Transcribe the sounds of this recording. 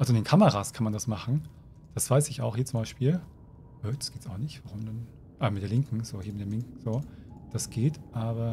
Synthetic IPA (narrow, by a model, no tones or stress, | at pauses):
ʔalzoɪndeːnkʰaməʁaːskʰanmandasmaχn̩ | d̥asv̥aɪsɪça̰ʊxhiːɐt͡sʊmbaɪʃpiːl | ʔøːd̥ḁsɡ̥eːtsaʊxnɪçtv̥aʁʊmdan | ʔamɪtd̥eːlɪŋkŋ̩z̥oːhiːɐɪtd̥eɐlɪŋkŋ̩zoːd̥asɡ̥eːtʔaːbɐ